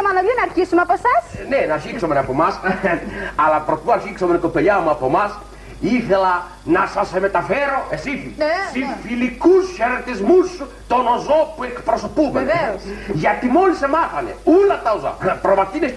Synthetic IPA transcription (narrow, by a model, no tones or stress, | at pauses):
manoðunaɾkisumaposasnenaʃiksomɾapomas | alapɾop̪uaɾʃiksomɾekopeʎamuapomas | iθela | nasasemet̪afeɾoʔesifisifilikusʃeɾt̪ezmuʃu | t̪onozopuekpɾɔsopuβḛ | jat̪imolisemaθanḛulat̪awza̰pɾomat̪ineʃ